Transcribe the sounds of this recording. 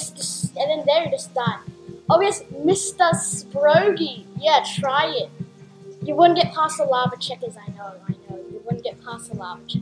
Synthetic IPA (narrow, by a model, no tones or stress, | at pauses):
d͡ʒʌsʒʌsɨ̃nðɨ̃nðə˞jɨd͡ʒʌsd̥ãnʔoʊjɛsmɪstəsbɹoʊɡijætʰɹ̥aɪɪt̚ | jɨwʊdⁿn̩ɡɛt̚pʰasəlɑvət͡ʃʰɛkɨzaɪnoʊaɪnoʊjɨwʊdⁿn̩ɡ̥ɛt̚pʰasəlɑ̰vət͡ʃʰɛ